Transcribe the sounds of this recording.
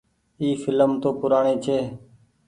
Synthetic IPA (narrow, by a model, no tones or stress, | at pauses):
iːfɪləmt̪oːpʊɾaːɳiːt͡ʃʰeː